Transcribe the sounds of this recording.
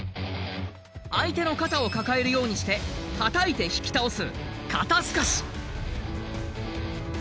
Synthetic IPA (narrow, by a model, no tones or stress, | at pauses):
ait̪e̞no̞kat̪ao̞kakae̞ɾɯ̟jo̞ːɲ̟iɕi̥t̪e̞hat̪ait̪e̞çi̥kʲi̥t̪aosɨkʰat̪asɨ̥kaɕi̥